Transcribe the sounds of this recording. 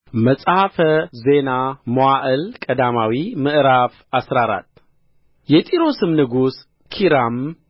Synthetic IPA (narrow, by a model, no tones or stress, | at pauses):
məsʼhafəze̞namowaʔɨlkʼəd̪amawimɨʔɾaf | asɾaɾa̰t̪ː | jɛt̪ʼiɾo̞sɨmnɨɡus | kʰiɾam